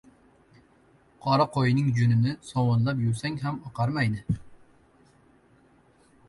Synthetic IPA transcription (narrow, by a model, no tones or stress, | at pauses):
qʰɒɾɑqʰojnɪŋd͡ʒʊnɪnɪsɒwɒnlˠapjʊɾsaŋɦamɑqɑɾmajnɪ